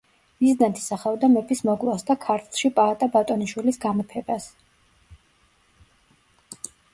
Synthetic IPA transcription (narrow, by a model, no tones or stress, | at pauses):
mizd̪ant̪ʰi̥saχɛɔd̪amɛpʰismɔkʼlˠasd̪akʰaɾt̪ʰlˠʃipʼaat̪ʼabat̪ʼɔniʃwilisɡamɔpʰɛbas